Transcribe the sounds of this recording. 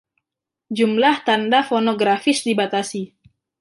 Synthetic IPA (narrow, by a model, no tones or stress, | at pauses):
d͡ʒumlaht̪andafonoɡɾafɪsdibat̪asi